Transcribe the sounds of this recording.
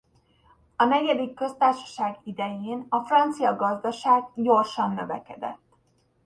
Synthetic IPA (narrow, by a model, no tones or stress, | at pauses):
ɒnɛɟɛd̪ikːø̞st̪aːrʃɒ̥ʃaːɡid̪ɛjeːnɒfrɒnt̪sijɒɡɒzd̪ɒʃaːɡɟo̞rʃɒnːøvɛkɛd̪ɛ̰t̪ː